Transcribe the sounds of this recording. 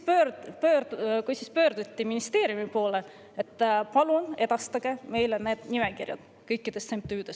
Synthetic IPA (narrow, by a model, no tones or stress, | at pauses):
pøpøkujsispø̞ːɾd̪̥ut̪ʲːiminist̪e̞ːɾjumipo̞ːle | et̪ːpɑlune̞d̪̥ɑst̪ɑɡ̥e̞me̞jlene̞ːd̪̥nimekirjɑ̰d̪̥ | kɤjkːˑid̪̥e̞st̪semp̚t̪yːd̪̥e̞s